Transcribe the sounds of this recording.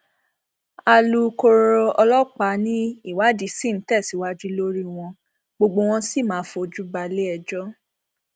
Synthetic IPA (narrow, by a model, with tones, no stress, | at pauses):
a˧lu˧ko˧ɾɔ˧ɔ˧lɔ˦k͡pa˨˦nĩ˦i˦˨wa˨˦di˨˦sĩ˦˨n̩˨˦tɛ˦˨si˨˦wa˦d͡ʒi˦lo˦ɾi˦w̃ɔ̃˧ | ɡ͡bo˧ɡ͡bo˧w̃ɔ̃˧si˦˨mãː˨˦fo˧d͡ʒu˦ba˧le˦ɛ˧d͡ʒɔ˦